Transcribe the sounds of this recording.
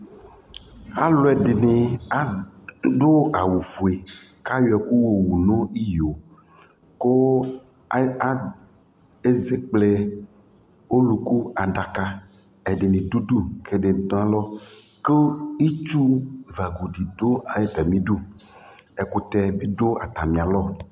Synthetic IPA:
a˦lo˨˦ɛ˨de˨ne˨˦ | ɖo˦a˨wu˨fu˨e˨ | ka˦jo˨ɛ˨ku˦wo˨wu˨nõ˦i˦jo˨ | ko˦ | a˦ | e˦ze˦k͡plɛ˨ | wo˦lu˨ku˦a˨ɖa˨ka˦ | ɛ˨ɖe˨nẽ˨du˦du˦kʰe˦ɖe˨˦tɔ̃˦a˦lɔ˦ | ke˦i˦t͡ʃu˦˨va˨ɡu˨ɖi˨d̪o˦a˨je˦t̪ɛ˨mĩ˦ɖu˦ | ɛ˨ku˨t̪ɛ˦bi˦ɖo˦a˨t̪a˨mĩ˨a˨lɔ˦˨

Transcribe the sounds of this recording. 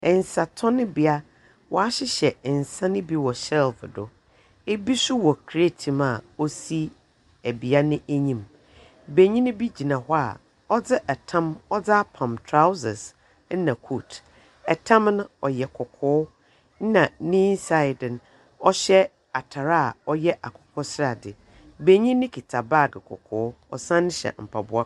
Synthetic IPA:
ɛ̃˨n˨sa˨tʰɔ˦nɪ̃˦bi˨a˦ | wɔ˨a˦ɕɪ˦ɕɛ˨n̩˨sã˦nɪ̃˦bi˦wɔ˨ɕɛ˦˨lfdʊ˨ | e˦bi˦sʊ˦wɔ˨kʰɾe˦tʰĩ˨ma˨o˦si˦ | æ˨bi˨a˦nɪ̃˦ʔæ˦ɲĩ˨m | be˨ɲĩ˦nɪ̃˦bi˦d͡ʑi˨nã˨hɔ˦a̰˨ | ɔ˦d͡zɪ˦ʔɛ˨tʰã˦mɔ˦d͡za˦a˦pʰã˨mtʰɾa˦wsɪ˨s | n̩˦nã˨kʰu˦˨tʰ | ɛ˨tʰã˦mnʊ̃˦ɔ˨jɛ˨kʰɔ˨kʰʊː˦ | n̩˦nã˨nĩ˦nsa˨ɪ˨dn˦ | ɔ˦ɕɛ˦ | a˨tʰa˨ɾa˦a˨ɔ˦jɛ˦ʔa˨kʰʊ̥˨kʰɔ˦sɾa˨dɪ˨ | be˨ɲĩ˦nɪ̃˦kʰi˨tʰa˨ba˦˨ɡɪ˨kʰɔ̰˨kʰʊː˦ | ɔ̰˨sã˦nɪ̃˦ɕɛ̰˨m̩˨pʰa˨bʊ˦a˦

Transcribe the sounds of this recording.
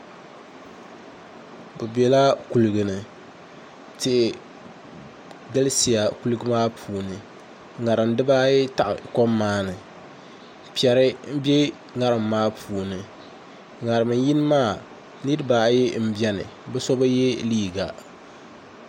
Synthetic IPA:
bɨ˨bɛ˨la˦ku˨lɨ˨ɡɨ˨nɨ˨ | tɪ˦ʔɪ˨ | ɡa˦lsi˨ja˨ku˦lɨ˦ɡɨ˦maː˦pʰuː˨nɨ˨ | ŋa˨ɾɨ˨m˦dɨ˦baː˦jɛ˦ta˨ʔɪ̰˨kɔ˦mːaː˦nɨ˨ | pi˨ɛ˨ɾɨ˦m̩˦bjɛ˦ | ŋa˦ɾɨ˨mː˨aː˦pʰuː˨nɨ˨ | ŋa˨ɾɨ˨mɨ˨ji˦n˦maː˦ | nɨ˦ɾɨ˦baː˨˦jɛ˦m̩˦bjɛ˦nɨ̰˨bɛ˦sɔ˦ba˦jɛ˦liː˦ɡa˨

